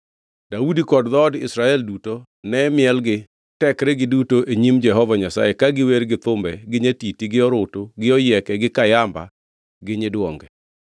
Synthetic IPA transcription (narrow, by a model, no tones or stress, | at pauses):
d̥audikɔdd̪ɔdɪ̰sɾaɛlduto | nɛmɪɛlɡɪ | tɛkɾɛɡɪdutoʔeɲimd͡ʒɛɦɔvaɲasa̰jekaɡɪweɾɡɪt̪ʊmbɛɡɪɲetitiɡɪɔɾʊtoɡɪɔjɛkɛɡɪkajamba̰ | ɡɪɲɪdwɔŋɡɛ